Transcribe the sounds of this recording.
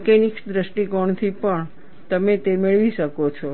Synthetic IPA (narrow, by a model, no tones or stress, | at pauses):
kɛniksd̪ɾəsʈikɔɳt̪ʰipəɳ | t̪əmet̪emeɭʋiʃəkot͡ʃʰo